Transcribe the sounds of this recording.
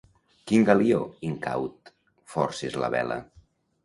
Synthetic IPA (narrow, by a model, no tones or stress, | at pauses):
kiŋɡalioiŋka̰wt̪ | fɔɾsezlə̰βɛ̰lə̰